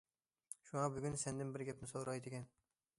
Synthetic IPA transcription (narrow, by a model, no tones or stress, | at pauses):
ʃʊŋɑbʊɡʲynsɛnd̪ɪnbɪɾɡʲɛpnɪsoɾɑjd̪ɪkʲɛn